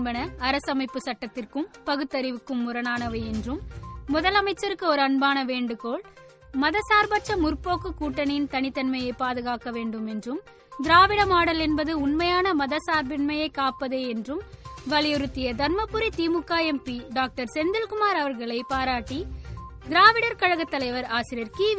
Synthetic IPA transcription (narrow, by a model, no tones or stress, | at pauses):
bɐnɐɐɾɐsɐmɐɪpːɯsɐʈːɐt̪ːɪrkɯmpɐɣɯt̪ːɐɾɪʋɯkːɯmːʊɾɐnaːnɐʋɐɛndrɯmːʊðɐlɐmɐɪt͡ʃːɐɾɯkːɯɔɾɯɐɳbaːnɐʋeːɳɖɯkːoːɭ | mɐðɐsaːɾbɐʈt͡ʃːɐmʊrpːoːkɯkuːʈːɐnjɪnt̪ɐnɪt̪ːɐnmɐjɐɪpaːðɯɣaːkɐʋeːɳɖɯmɛndrɯm | d̪ɪɾaːʋɪɽɐmaːɽɐlɛnbɐðɯʊɳmɐjaːnɐmɐðɐsaːɾbɪnmɐjɐɪkːaːpːɐðeːɛndrɯmʋɐlɪjɔɾɯt̪ːɪjɐd̪ɐnmɐpːɯɾit̪iːmɯkːaːjɛmpiɖaːk̚ʈɐɾsɛnd̪ɪlkʊmaːɾɐʋɐɾɣɐɭɐɪpaːɾaːʈːid̪ɪɾaːʋɪɽɐɾkɐɻɐɣɐt̪ːɐlɐɪʋɐɾaːsɪɾɪjɐɾkiːʋ